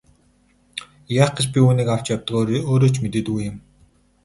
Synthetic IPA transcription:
jaχɡĕt͡ɕpʲiuːniːkaw̥t͡ɕjawt̪ə̆qoːɾoːt͡ɕmet̪eːt̪ɡujɪ̆m

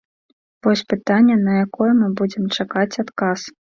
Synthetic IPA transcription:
vɔsʲpɨt̪anʲːɛnɐjakɔjɛmɨbud͡zʲɛmt͡ʂakat͡sʲat̪kas

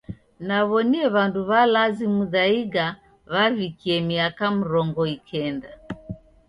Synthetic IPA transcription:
naβɔniɛβanduβalazimuðaiɡa | βavikiɛmiakamuɾɔŋɡɔikʰɛnda

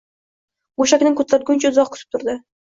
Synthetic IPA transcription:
boʃakʲnɪŋkʰot̪ʰlaɾ̚ɡʲʊnt͡ʃʰaʊzɒqkʰʊ̥t̪ʰɪp̚t̪ʰʊɾd̪ɪ

